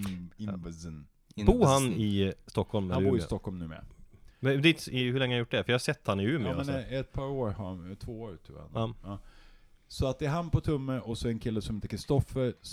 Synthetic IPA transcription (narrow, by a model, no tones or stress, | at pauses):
ɪzn | buːɾhanɪst̪ɔkhɔlmhanbːɾɪst̪ɔkːhɔlmnʉ̟ːmḛːa̰d̪iːt̪ɪhɵɭɛŋːhajʊʈ̚ːɖɛfœjahasɛt̪ːhanɪʉːmːmɛɛt̪̚pʰɑːɾoːɾhaɾnt̪ʰvoːoːɾt̪ʰʉ̰ːha̰nːɑː | sɔat̪̚d̪ɛːɾɦanpʰɔt̪ʰɵmːəɔsɔɛɾɛnkʰɪlːəsɔmheːt̪əkʰɾɪst̪ɔfəɾs